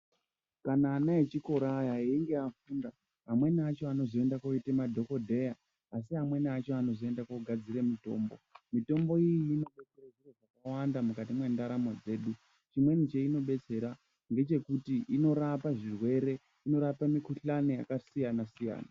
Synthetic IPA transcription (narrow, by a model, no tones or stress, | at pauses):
kanaːnaet͡ʃiko̞ɾajaɦeiŋɡe̞afuːnda | ɦamwe̞niat͡ʃo̞ano̞zo̞e̞ndakoitemadʱo̞ko̞dʱe̞jaː | s̬iɦamwe̞niat͡ʃo̞ano̞zo̞e̞ndakoɡʱad͡ziɾemito̞ːmbo̞̰mito̞mbo̞ijiːno̞ɓe̞t͡seraʐiraʐakawandamukatimwe̞ndaɾamod͡ze̞ːɗu | t͡ʃimwe̞nit͡ʃeino̞ɓe̞t͡se̞ɾa | ŋɡe̞t͡ʃe̞kutiʔino̞ɾapaʐirwe̞ɾe̞ | ino̞ɾapamikuɬania̰kasijanasija̰ːna